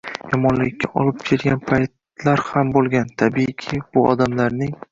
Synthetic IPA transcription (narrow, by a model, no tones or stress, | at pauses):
jɒmɒnlɪkʲːaʔɒlˠɪp̚kʲʰeɾɡʲanpʰajt̪ | laɾhambolˠɡʲant̪ʰabikʲʰɪb̥ʊɒ̰d̪amlaɾnɪŋ